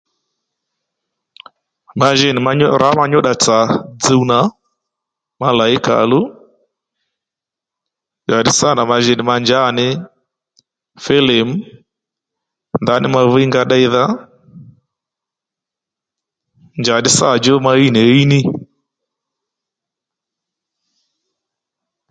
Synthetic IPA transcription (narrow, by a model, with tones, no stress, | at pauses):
ma˨ʒɛ˦˨nɪ˨ma˦ɾa˨˦ma˦ɲɔ˦ɗa˨t͡sa˨d͡zi˦wna˨˦ | ma˦la˨ɪ˦ka̰˨lu˦ | nd͡ʒa˨ɗɪ˦sa˦˨na˨ma˨ʒɛ˨nɪ˨ma˧nd͡ʒa˦˨nɪ˦ | fɛ˦le˨m̩˦ | nda˨˦nɪ˦ma˧vi˦ŋɡa˦ɗa˦i˦ða˦ | nd͡ʒa˨ɗɪ˦sa˦˨d͡ʒɔ˦ma˦i˦nɛ˨˦i˦ni˦